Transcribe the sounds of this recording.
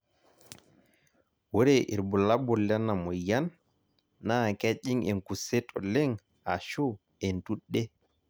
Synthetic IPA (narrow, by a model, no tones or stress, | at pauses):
woɾɛʔḭɾbulabɔlɛnːamɔjanː | akeʄiŋɛnkusɛtʰɔ̰lɛŋ | a̰ʃu | ɛntuɗːɛ